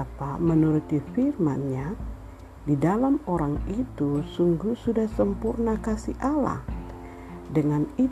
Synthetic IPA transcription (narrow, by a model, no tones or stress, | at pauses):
apamənuɾut̪ifirmanɲa | didalamoɾaŋit̪usuŋɡusudahsəmpurnakasiʔala̰h | dəŋani